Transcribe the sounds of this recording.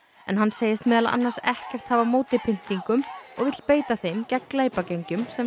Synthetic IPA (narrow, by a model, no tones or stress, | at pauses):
ɛnɦanːseːjɪst̪mɛːðala̰a̰nːaɾsɛhcɛr̥t̪haːvamoːwt̪ɪpʰɪn̥t̪iŋkʏmɔ̰ɣvɪt̪l̥peːjt̪aθejmcɛkːleːjpacejɲcʏmsɛ